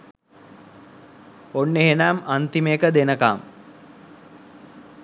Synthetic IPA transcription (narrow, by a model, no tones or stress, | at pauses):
onːeɦenaːmant̪imejkəd̪enəkaːm